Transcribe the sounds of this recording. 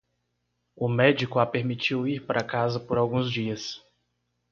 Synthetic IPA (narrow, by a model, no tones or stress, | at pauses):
ʊmɛd͡ʒikʊapeɾmit͡ʃiwiɾpaɾʔakazɐpoɾawɡũzd͡ʒiɐs